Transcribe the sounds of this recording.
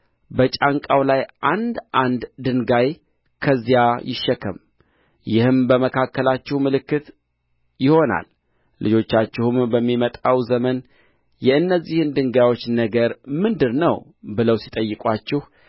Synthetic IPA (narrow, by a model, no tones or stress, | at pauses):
bət͡ʃʼaŋkʼawlajʔand̪ʔand̪d̪ɨŋɡaj | kʰəzːijajɪʃːəkʰːəm | jɪhɨmbəməkʰakːəlat͡ʃːɪhmɨlɨkːɨt̪ | jɪho̞na̰l | lːɨd͡ʒo̞t͡ʃːat͡ʃːɪhumbəmːimət̪ʼawzəmən | jɛɨnːəzːihɨnd̪ɨŋɡajwo̞t͡ʃːnəɡəɾmɨnd̪ɨɾnəw | bɨləwsit̪ʼəjːɨkʼwat͡ʃːɪh